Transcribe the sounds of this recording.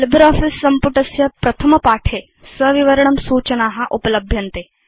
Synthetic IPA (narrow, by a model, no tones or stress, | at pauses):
lɪbɾɔːfɪsːɐmpʊʈɐsjɐpɾɐt̪ʰɐmɐpaːʈʰeː | sɐʋiʋɐɾɐɳ̃ɐmsuːt͡ʃɐnaːɦɐʔupɐlɐbʱjɐnt̪eː